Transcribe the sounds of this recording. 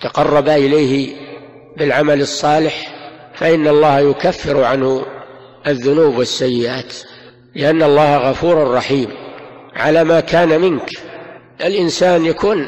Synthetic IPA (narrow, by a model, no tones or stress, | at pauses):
t̪ɑqɑrˤːɑbaʔɪlajhɪ | bɪlʕamalɨsˤːɑːlɪħfaʔɪnːɑlˤːɑːhajʊkafːɪɾʕanhʊ | ʔaðːʊnuːbwɪsːajːɪʔaːt̪ | lɪʔanːɑlˤːɑːhɣɑfuːɾʊrˤːɑħiːmʕa̰laːmaːkʰaːnamɪnk | ʔɪlʔɪnsaːnjakʰuːn